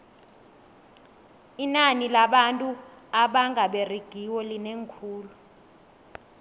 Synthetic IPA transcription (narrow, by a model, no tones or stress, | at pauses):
inanilaɓantʼuaɓaŋʱaɓeriɡ̥ʱiwɔlineŋkʰuːlu